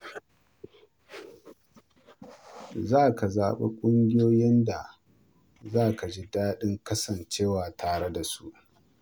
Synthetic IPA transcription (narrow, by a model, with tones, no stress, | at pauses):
zaː˦˨ka˨zaː˨ɓḛ˦kʷʼʊ˦ŋɡʲɪ˦joː˦jɪ˦nda˨ | zaː˦ka˨d͡ʒi˦daː˦ɗɪ˦ŋkɐ˦sɐ˨nt͡ʃeː˦waː˨tʰaː˨ɽe˦da˨su˦ʔ